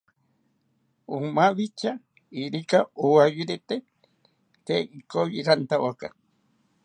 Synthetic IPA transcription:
umaβit͡ʃa | iɾikaowajuɾet̪e | t̪eikojiɾant̪awaka̰

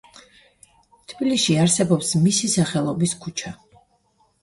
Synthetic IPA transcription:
t̪ʰbiliʃiaɾsɛbɔpsmisisaχɛlˠɔbiskʰut͡ʃʰa

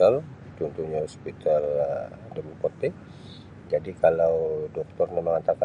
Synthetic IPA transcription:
al | t̪unt̪uɲahɔspit̪aldəmupɔrt̪e | d͡ʒadikalawdɔk̚t̪ɔrməməŋant̪aka

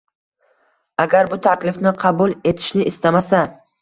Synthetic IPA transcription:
aɡʲaɾbʊt̪ʰakʲlɪfnɪqʰɑbulˠe̞t̪ʰɪ̥ʃnɪʔɪst̪amasa

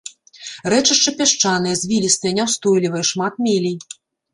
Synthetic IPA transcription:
ɾɛt͡ʂɨʂt͡ʂɐpʲaʂt͡ʂanɨjɛzʲvʲilʲist̪ɨjɛnʲɛwst̪ɔjlʲivɐjɛʂmat̪̚mʲelʲij

